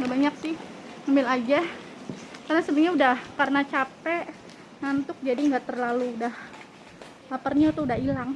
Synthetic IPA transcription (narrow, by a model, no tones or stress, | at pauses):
ŋɡaʔbaɲak̚sɪhŋambɪlad͡ʒah | karnasəbɲaudahkarnat͡ʃapɛʔ | ŋant̪ʊk̚d͡ʒadiŋɡaʔt̪ərlaluːdah | lapərɲaut̪uudaɦilaŋ